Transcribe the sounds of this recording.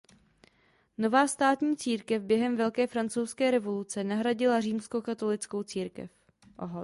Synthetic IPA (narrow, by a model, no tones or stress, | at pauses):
no̞vaːst̪aːt̪ɲiːt͡siːɾkɛvbjɛɦɛmvɛlkɛːfɾant͡sowskɛːɾɛvo̞lut͡sɛnaɦɾaɟɪlariːmskokat̪o̞lɪt͡sko̞wt͡siːɾkɛ̰f | ʔoɦ